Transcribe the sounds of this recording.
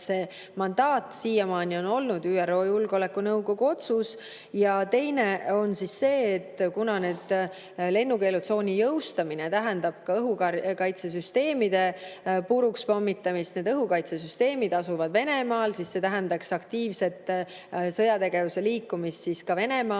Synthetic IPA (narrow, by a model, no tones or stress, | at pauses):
seː | mɑnd̪ɑːt̪siːjɑmɑːnʲio̞no̞lnud̪yːæro̞ːjulɡ̥o̞le̞kːunɤwɡ̥oɡ̥uo̞t̪sus | jɑt̪e̞jne̞o̞nsisse̞ːt̪ːkunɑne̞ːd̪̥ | le̞nːuke̞lut̪so̞ːnʲijɤwst̪ɑminet̪æɦɛnd̪̥ɑb̥kɑɤɦukɑkɑjt̪sesyst̪e̞ːmid̪̥e̞puɾukspomːit̪ːˑɑmist̪ne̞d̪ɤɦukɑjt̪sesyst̪e̞ːmid̪̥ɑsuvɑd̪̥ve̞ne̞mɑːlsisːe̞t̪æɦɛnd̪ɑksɑkt̪iːvse̞t̪ː | sɤ̞jɑt̪e̞ɡevuse̞liːkːumist̪siskɑve̞ne̞mɑː